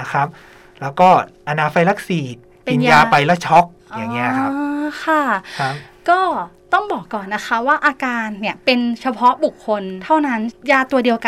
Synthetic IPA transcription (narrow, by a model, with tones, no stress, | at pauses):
na˦˥kʰɾa˦˥p̚ | lɛː˦˥wkɔː˥˩ʔa˧naː˧fa˧jla˦˥k̚siː˨˩t̪̚ | pi˧njjaː˧pa˧jla˦˥t͡ɕʰɔ˦˥k̚ | ʔja˨˩ŋː˧i˦˥ɐkʰa˦˥kʰa˥˩˦ | kɔː˥˩ | t̪ɔ˥˩ŋbɔː˨˩kːɔː˨˩nːa˦˥kʰa˦˥waː˥˩ʔaː˧kaː˧nːi˥˩ɐpe˧nt͡ɕʰa˧pʰɔ˦˥ʔbu˨˩kʰːo˧nt̪ʰa˥˩wna˦˥njaː˧t̪u˧ɐdi˧əwka˧